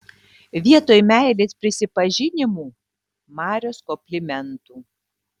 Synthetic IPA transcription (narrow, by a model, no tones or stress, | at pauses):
ʋʲiɛt̪oːjmʲæˑɪlʲeːspʲɾʲɪsʲɪpɐʒʲɪnʲɪmuː | mɑːɾʲoːskɔpʲlʲɪmʲɛnt̪uː